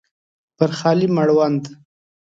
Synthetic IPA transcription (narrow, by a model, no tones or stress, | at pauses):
pəɾχɑlimaɽwand̪